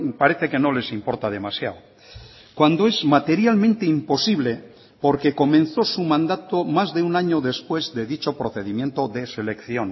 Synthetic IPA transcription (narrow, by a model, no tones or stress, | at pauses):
paɾeθeke̞no̞le̞simpo̞ɾt̪að̞e̞masjaw | kwand̪oezmat̪e̞ɾjalmẽnt̪eimpo̞siβ̞le | po̞ɾke̞ko̞mẽn̟θo̞sumãnd̪at̪omazðe̞unaɲoðe̞spwe̞zðe̞ðit͡ʃo̞pɾoθe̞ðimje̞nt̪o̞ðese̞le̞kθjon